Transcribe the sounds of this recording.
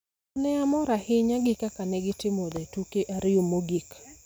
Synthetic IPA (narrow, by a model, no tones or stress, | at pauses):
nɛamɔɾahɪɲaɡɪkakanɛɡɪtɪmod̪ɛtukeʔaɾɪomoɡik